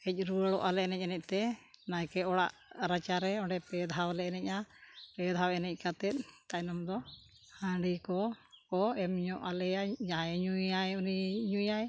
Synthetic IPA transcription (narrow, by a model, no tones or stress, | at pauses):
kɛc̚ˀɾuəɽɔʔalɛɛnɛc̚ˀɛnɛc̚ˀt̪ɛnajkɛɔɽaʔɾat͡ʃaɾɛɔɳɖɛpɛd̪ʱawlɛnɛc̚ˀapɛd̪ʱawɛnɛc̚ˀkat̪ɛt̪̚t̪acnɔmd̪ɔ | hãɖikɔkɔɛmɲɔʔalɛjaɲaɲujajuniɲujaj